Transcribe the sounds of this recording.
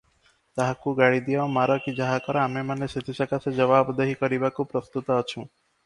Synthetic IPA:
t̪aɦakuɡaɽid̪ijɔmaɾɔkid͡ʒaɦakɔɾɔamemaneset̪ʰisakased͡ʒɔβabd̪eɦikɔɾibakupɾɔst̪ut̪ɔːt͡ʃʰũ

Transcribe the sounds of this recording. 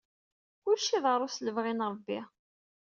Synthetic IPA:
ʊɾʃːiðˤəɾˤʊsləvʁinɾˤəbːi

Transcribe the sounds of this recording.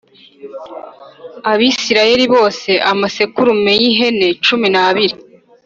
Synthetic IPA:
aβiːsiɾaje̞ɾiβo̞ːse̞ʔamasekuɾumejiɦe̞ne̞t͡ʃuminaβiɾi

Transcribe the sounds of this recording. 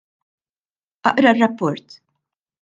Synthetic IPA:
ʔɐʔɾɐrːɐpːɔɾt̪

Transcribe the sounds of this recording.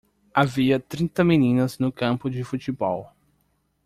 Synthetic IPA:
aviɐt̪ɾĩnt̪ɐminĩnɐznʊkɐ̃pʊd͡ʒɪfut͡ʃibɔw

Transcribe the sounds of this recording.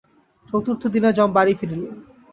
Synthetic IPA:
t͡ɕowt̪uɾt̪ʰod̪inad͡ʑɔmbaɽifiɾelen

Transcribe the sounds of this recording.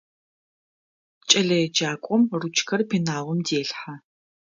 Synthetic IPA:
t͡ʃʼɐɮɐjɛd͡ʒaːkʷʼɔmrut͡ʃʰʼkʰɐrpʰinaːʁʷɔmdeːɬħa

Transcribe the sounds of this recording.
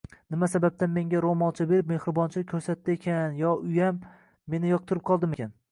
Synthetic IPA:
nɪmasabap̚t̪anme̞ŋɡʲaɾomɒlˠt͡ʃʰɪbe̞ɾɪp̚me̞hɾɪbɒnt͡ʃʰɪkʲʰɵɾsat̪ːɪekʲʰanjɒʊjamː | e̞nɪjɒq̚t̪ʰɨɾɪp̚qʰɒlˠd̪ɪmekʲʰan

